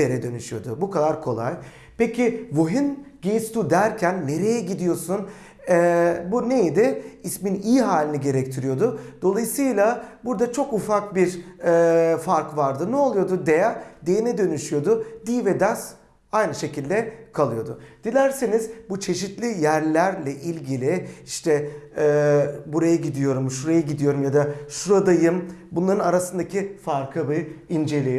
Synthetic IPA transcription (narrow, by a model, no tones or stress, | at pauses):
eɾɛd̪ø̞nyʃyjo̞d̪ʊbukʰad̪aɾkʰo̞̰lˠa̰j | pecʰivoɦinɟejst̪ud̪æɾcʰænːe̞ɾe̞jɛɟid̪ijo̞sun | ɛːbunejed̪ɛisminijːɦaːlʲiniɟe̞ɾɛc̚t̪ʰiɾijo̞d̪ʊd̪̥o̞lˠajɯsɯːjlˠabuɾd̪at͡ʃʰo̞kufakbiɾɛːfaɾkvaɾd̪ɯnɛolˠujo̞d̪ud̪ejad̪ejenɛd̪ø̞nyʃyjo̞d̪ʊd̪iːvɛd̪as | ajnɯʃe̞cʰilʲd̪ɛkʰalˠɯjo̞d̪ʊ̰d̪̥ilʲæɾsinizbut͡ʃʰe̞ʃit̪lʲijæɾlʲæɾlʲɛʔilʲɟilʲɪiʃt̪ʰɛɛːbuɾajaɟid̪ijo̞ɾumʃuɾajaɟid̪ijo̞ɾumjad̪aʃuɾad̪ajɯmbunlˠaɾɯnaɾasɯnd̪acʰifaɾkʰɯbɯind͡ʒe̞lʲe